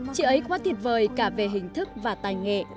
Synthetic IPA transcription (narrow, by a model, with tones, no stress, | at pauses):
t͡ɕḭ˧˥ʔə˨˦jkwaː˨˦t̪ʰi˨˩ət̚vəː˨˩jkaː˧˩ve˨˩ɦï˨˩ŋ̟t̪ʰɨ˦˥k̚vaː˨˩t̪aː˨˩jŋḛ˧˨